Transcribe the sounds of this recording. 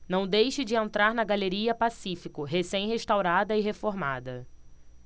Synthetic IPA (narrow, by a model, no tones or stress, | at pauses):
nɐ̃w̃d̪ejʃɪd͡ʒɪẽnt̪ɾaɾnɐɡaleɾiɐpasifikʊɦesẽj̃ɦeʃt̪awɾad̪ɐɪɦefoɾmad̪ɐ